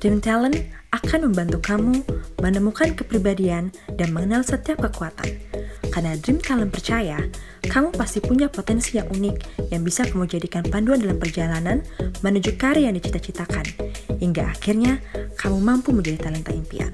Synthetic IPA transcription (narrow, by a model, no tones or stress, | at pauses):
dimt̪alənakanməmbant̪ukamumənəmukankəpɾibadiandanməŋənalsət̪iap̚kəkuat̪a̰nkarnadɾɪmt̪alənpərt͡ʃaja | kamupast̪ipuɲapot̪ɛnsijaŋʔunɪkjaŋbisakamud͡ʒadikanpanduandalampərd͡ʒalananmənud͡ʒukaɾijaŋdit͡ʃit̪at͡ʃit̪akanhiŋɡaʔakirɲakʰamumampuməɲd͡ʒadit̪alɛnt̪aimpḭa̰n